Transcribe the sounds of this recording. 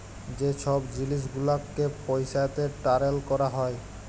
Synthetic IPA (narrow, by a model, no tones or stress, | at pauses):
d͡ʑeʃʰɔbd͡ʑiliʃ̬ɡulakːepojʃajt̪eʈaɾelkɔɾaɦɔe